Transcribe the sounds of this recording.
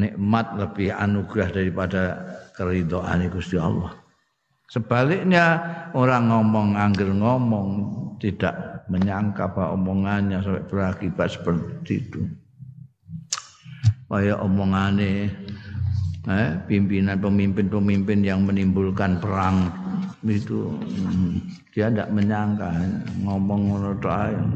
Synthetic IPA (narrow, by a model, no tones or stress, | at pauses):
neʔmat̪̚ləb̥ɪha̰nuɡ̥ɾahd̥aɾipad̥akəɾit̪ɔʔa̰neɡ̥ust̪ia̰lɔ̰h | səb̥alɪkɲaoɾaŋɔmɔŋaŋɡɪrŋɔmɔŋt̪id̥aʔməɲaŋkapaɔ̰mɔŋanɲasampɛʔb̥ərakib̥at̪̚sə̥pərt̪iːt̪u | wajaʔɔmɔŋane | ɛpimpinanpəmimpɪnpəmimpɪnjaŋmənimbulkanpəɾaŋ | it̪ṵ | d̥iandaʔməɲaŋkaɲa̰ŋɔmɔŋonɔt̪oaj